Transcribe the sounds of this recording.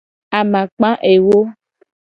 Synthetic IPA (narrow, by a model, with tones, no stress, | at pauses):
a˨mã˨k͡pã˦ʔe˨wo˦